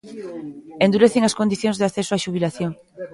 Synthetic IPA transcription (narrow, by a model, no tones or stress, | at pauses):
end̪uɾeθeŋaskond̪iθjõŋzðeaθesoaʃuβilaθjoŋ